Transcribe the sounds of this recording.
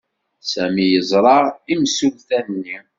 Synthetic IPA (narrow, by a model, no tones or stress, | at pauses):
sæmijəzˤɾˤɑʁimsulθænnːi